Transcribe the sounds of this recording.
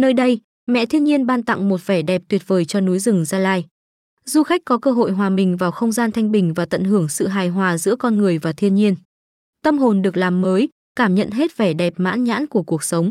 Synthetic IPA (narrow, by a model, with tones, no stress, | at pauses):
nəː˧jɗə˧j | mɛ̰˧˨t̪ʰi˧ənɲi˧ənɓaː˧nt̪a̰˧˨ŋmo˨˩t̚vɛ˧˩ɗɛ˨˩p̚t̪wi˨˩ət̚vəː˨˩jt͡ɕɔ˧nu˨˦jzɨ˨˩ŋzaː˧laː˧j | zu˧xa˦˥jk̟̚kːɔ˨˦kəː˧ɦo̰˧˨jɦwaː˨˩ɓï˨˩ŋ̟vaː˨˩wxə˧wŋ͡mzaː˧nt̪ʰa˧jŋ̟ɓï˨˩ŋ̟vaː˨˩t̪ə̰˧˨nɦɨ˧˩əŋsɨ̰˧˨ɦaː˨˩jɦwaː˨˩zɨ̰˧˥əkɔ˧nŋɨ˨˩əjvaː˨˩t̪ʰi˧ənɲi˧ən | t̪ə˧mɦo˨˩nɗɨ˨˩ək̚laː˨˩mːəː˨˦j | kaː˧˩mɲə̰˧˨nɦe˦˥t̚vɛ˧˩ɗɛ˨˩p̚ma̰ː˧˥nɲa̰ː˧˥nku˧˩əku˨˩ək̚sə˨˦wŋ͡m